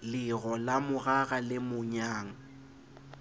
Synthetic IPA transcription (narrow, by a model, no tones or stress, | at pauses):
lɪɣɔlamʊɣaɣalɪmʊɲaːŋa